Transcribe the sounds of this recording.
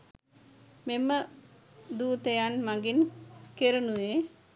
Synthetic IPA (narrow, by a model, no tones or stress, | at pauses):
memːə | d̪uːt̪ejanmaŋɡinkeɾunuʋe